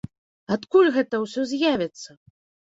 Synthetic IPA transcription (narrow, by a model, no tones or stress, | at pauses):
at̪kulʲɣɛt̪ɐwsʲɔzʲjavʲɛt̪sːɐ